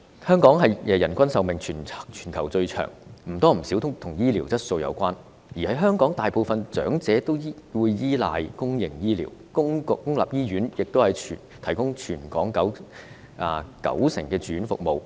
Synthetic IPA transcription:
hœː˥ŋkɔː˨˥ŋɦɐ˨jɛː˨jɐ˨˩nkʷɐ˥nsɐ˨˧wmɪ˨ŋt͡ʃʰyː˨˩n˨t͡ʃʰyː˨˩nkʰɐ˨˩wt͡sɵ˧t͡ʃʰœ̰ː˨˩ŋm̩˨˩t̪ɔː˥m̩˨˩si˨˥wt̪ʰʊ˥t̪ʰʊ˨˩ŋjiː˥liː˨˩wt͡sɐ˥t̚so˧wjɐ̰˧wkʷaː˥n | jiː˨˩hɐ˨˧˥jɦœː˥ŋkɔː˨˥ŋt̪aː˨jpo˨wfɐ˨nt͡ʃœ̰ː˨˥ŋt͡sɛː˨˥t̪o˥wwuː˨˧jjiː˥laː˨˧jkʊ˥ŋjɪ̰˨˩ŋjiː˥lḭː˨˩wkʊ˥ŋ˨kːʊ˥ŋla̰ː˨p̚jiː˥ɥyː˨˥njɪ˨k̚t̪o˥whɐ˨jʰ | t̪ʰɐ˨˩jkʊ˥ŋt͡ʃʰyː˨˩nkɔː˨˥ŋkɐ˨˥w | ʔaː˨˧kɐ̰˨˥wsɪ˨˩ŋkɛː˧t͡ʃyː˨˥nfʊ̰˨k̚mo˨w

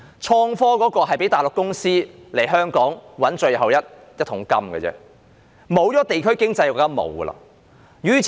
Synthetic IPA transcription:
t͡ʃʰɔː˧ŋfɔː˥kɔː˨˥kɔː˧ɦɐ˨jpe˨˥jt̪aː˨˩lʊ˨kːʊ˥ŋsiː˥le˨˩jɦœː˥ŋkɔː˨˥ŋwɐ˨˥nt͡ʃɵ˧ɥɦɐ˨wjɐ˥t̚ | jɐ˥t̚t̪ʰːʊ˨˥ŋkɐ˥mɡə̰ː˨˧t͡sɛ̰ː˧ | mo˨˥wt͡sɔː˨˥t̪e˨jkʰɵ˥ɥkɪ˥ŋt͡sɐ˧jkːt̪ːɐ˥mo̰˨˧wɡə̰˧lɐ̰˧˨ | ɥyː˨˥

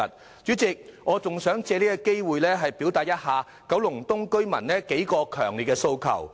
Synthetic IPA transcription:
ɐ˨t̚ | t͡ʃyː˨˥t͡sɪ˨k̚ŋʔɔː˨˧t͡sʊ˨ŋsœː˨˥ŋt͡sɛː˧liː˥kɔ˧ke˥jwuː˨jlɛː˥ɦɐ˨jpi˨˥wt̪aː˨t̚jɐ˥t̚haː˨ | kɐ˨˥wlʊ˨˩ŋt̪ʊ˥ŋkɵ˥ɥmɐ̰˨˩nnɛː˥ke˨˥jkɔː˧kʰœː˨˩ŋliː˨t̚kɛ˧so˧wkʰɐ̰˨˩w

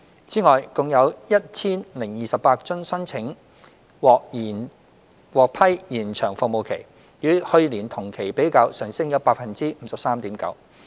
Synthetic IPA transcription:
t͡siː˨˥ŋɔː˨jkʊ˨ŋjɐ˨˧wjɐ˥t̚t͡sʰiː˥nlɪ˨˩ŋjiː˨sɐ˨pːaː˧k̚t͡sʊ˥ŋsɐ˥ŋt͡sʰɪ˨˥ŋ | wɔː˨k̚ː | wɔː˨k̚pʰɐ˥jjiː˨˩nt͡ʃʰœː˨˩ŋfʊ˨˧mo˨˧wkʰe˨˩j | jyː˨˧hɵ˧ɥliː˨˩nt̪ʰʊ˨˩ŋkʰe˨˩jpe˨˥jkaː˧wsœː˨˩ŋsɪ˥ŋjɐ˨˧wpaː˧t̚fɐ˨˩nt͡siː˥m̩ː˨˥sɐ˨p̚saː˥mt̪iː˨˥mkɐ̰˨˥w

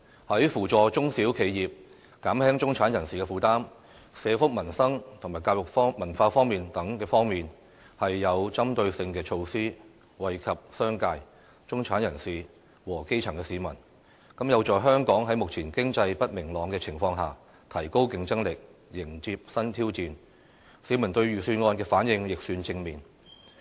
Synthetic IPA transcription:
hɐ˨˥jfuː˨˩t͡ʃɔː˨˧t͡ʃʊ˥ŋsiː˨˥wkʰe˨˧jjiː˨p̚ | kaː˨˥mhɛː˥ŋt͡ʃʊ˥ŋt͡sʰaː˨˥njɐ˨˩nsiː˨kɛː˧fuː˨˩t̪aː˥m | sɛː˨˧fʊ˥k̚mɐ˨˩nsɐ˥ŋt̪ʰʊ˨˩ŋmaː˨˩jkaː˧w̚jʊ˨k̚fɔː˥mɐ˨˩nfaː˧fɔː˥ŋmiː˨nt̪ɐ˨˥ŋkɛː˧fɔː˥ŋmiː˨n | hɐ˨jːɐ˨˧wt͡sɐ˥mt̪ɵ˧ɥsɪ˧ŋkɛː˧t͡ʃʰo˧wsiː˥ | wɐ˨jkʰɐ˨p̚sœː˥ŋkaː˧j | t͡ʃʊ˥ŋt͡sʰaː˨˥njɐ˨˩nsiː˨ | wɔː˨˩ke˥jt͡ʃʰɐ˨˩ŋkɛː˧siː˨˥mɐ̰˨˩n | kɐ˨˥mjɐ˨˧wt͡ʃɔː˨jɦœː˥ŋkɔː˨˥ŋɦɐ˨˥jmʊ˨k̚t͡sʰiː˨˩nkɪ˥ŋt͡sɐ˧jpɐ˥t̚mɪ˨˩ŋlɔː˨˧ŋkɛː˧t͡sʰɪ˨˩ŋfɔː˧ŋɦa̰ː˨ | t̪ʰɐ˨˩jko˥wkɪ˧ŋt͡sɐ˥ŋlɪ˨k̚jɪ˨˩ŋt͡siː˧p̚sɐ˥nt̪ʰiː˥wt͡siː˨n | siː˨˥mɐ˨˩nt̪ɵ˧ɥɥyː˨syː˧nŋɔː˧nkɛː˧faː˨˥njɪ˨˧ŋjɪ˨k̚syː˧nt͡sɪ˧ŋmiː˨˩n

